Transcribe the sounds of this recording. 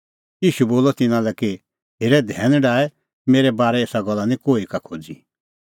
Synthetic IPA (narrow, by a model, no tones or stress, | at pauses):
jiːʃuboːlɔt̪ɪnãlɛki | ɦeːɾɛd̪ʱɛːnɖaːɛ | meːɾɛbaːɾɛeːsaɡɔlːanĩkoːikakʰoːd͡zi